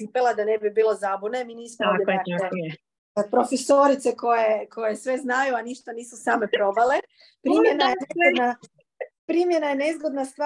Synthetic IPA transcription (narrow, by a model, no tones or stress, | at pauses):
ipelˠad̪anebibiːlˠo̞zabune̞miniːsmood̪jeae | apɾo̞fesoɾit̪se̞ko̞je̞kʰo̞je̞sʋe̞znajuaniʃt̪aniːsusaːme̞pɾo̞bale | pɾimjenajenezɡod̪na | pɾiːmje̞najene̞zɡod̪nast̪ʋa